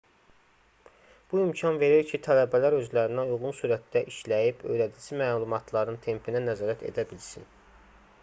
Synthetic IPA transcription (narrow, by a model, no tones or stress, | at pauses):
b̥uimcʰɑnve̞ɾiɾcʰit̪ʰælæbælæɾø̞zlæɾinæujɣunsuɾæt̪d̪æʔiʃlæjibø̞̰jɾæd̪id͡ʒimæːlˠumɑt̪ʰlˠɑɾɯnt̪ʰe̞mpʰinænæzɑːɾæt̪ʰe̞̰d̪æbilsin